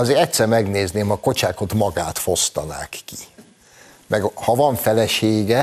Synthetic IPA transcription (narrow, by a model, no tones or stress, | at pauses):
ɒzeːɾɛct̪sɛrmɛɡneːzneːmhɒko̞t͡ʃaːko̞t̪mɒɡaːt̪fo̞st̪ɒna̰ːkːi | mʔɛɡhɒvɒɱfɛlɛʃeːɡɛ